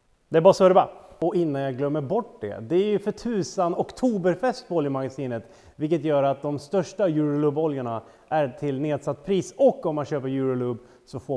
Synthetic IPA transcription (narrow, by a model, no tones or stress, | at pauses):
d̪̥ɛæɾbɑːɾasɔɾɛbɑ̰ɔɪnːanjaɡlœmːəɾbɔʈːd̪ɛ̰d̪ɛæɾjɵfœʈʰʉ̟ːsənɔkt̪ʰuːbəɾfɛst̪bɔːljəmaɡasiːnət̪ | vɪlkːət̪jœːɾat̪̚d̪ɔmst̪œʂʈajʉ̟ːɾlɵbɔljaɳa | æɾʈʰɪlneːd̪sat̪ːpʰɾiːsɔkːɔmːanɕøːpəɾjʉ̟ːɾʊlɵbː | sɔfoː